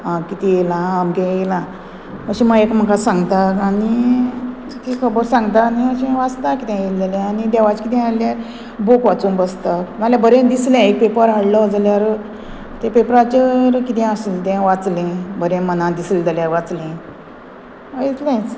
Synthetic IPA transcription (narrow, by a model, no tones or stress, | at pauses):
ãkit̪ijelãːmkɛ̃jelã | əɕĩməɡekm̤əkasãŋɡt̪akani | t̪ikʰəbəɾsãŋɡt̪aniəɕẽʋat͡st̪akit̪ɛ̃jeld͡zalɛ̃anid̪ɛʋat͡ɕkit̪ɛ̃aljaɾ | bokʋat͡sũmbəst̪akd͡zaljabəɾẽd̪islɛ̃ek̚pepəɾɦaɽlɔd͡zaljaɾ | t̪ẽpepɾat͡ɕəɾkit̪ɛ̃əslt̪ɛ̃ʋat͡slẽbəɾẽmənãd̪isld͡zaljaɾʋat͡slẽ | əit͡s̪lɛ̃t͡s